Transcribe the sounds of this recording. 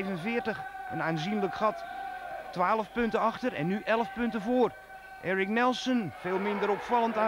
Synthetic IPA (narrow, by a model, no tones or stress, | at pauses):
vənənfɪərtəxənaːnzinləkxɑt | tʋaːlˠəfpøntəɑxtəɾɛ̰nːyʔɛləfpʏntəvoːr | ʔɛːɹɪknɛlˠsənfeːlˠmɪndəɾɔpfɑlˠənta